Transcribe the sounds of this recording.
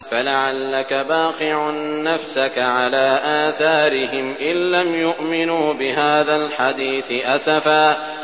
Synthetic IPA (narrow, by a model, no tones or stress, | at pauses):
falaʕalːakabaːqɪʕʊːafsakaʕalaːʔaːθaːɾɪhɪmʔɪnlamjʊʔmɪnuːbɪɦaːðalħad̪iːθɪʔasafaː